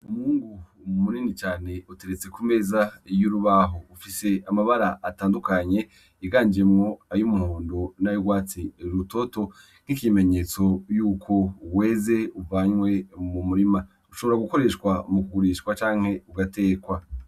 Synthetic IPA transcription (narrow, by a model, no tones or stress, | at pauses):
umhuːŋɡu | muniːnit͡ʃaːne̞ute̞ɾet͡se̞kume̞zajuɾuβaɦo̞ufise̞amaβaɾaʔataːndukaɲe̞ | iɡaːɲd͡ʒemŋo̞ajumuhuːndonajuɡwaːt͡siɾuto̞to̞ | n̥ikime̞ɲe̞t͡so̞juːkʰo̞we̞ːze̞uvaɲwe̞mumuɾima | uʃo̞βo̞ɾaɡuko̞ɾe̞ːʃkwamukuɡuɾiʃkwat͡ʃaːŋ̥he̞uɡate̞ːkwa